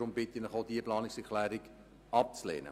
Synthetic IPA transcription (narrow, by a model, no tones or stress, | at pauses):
ɾʊmbɪt̪inəχoʊdiəplɑːnɪksɛkʰlæːɾɪk | ɑp̚t͡slḛːnə̰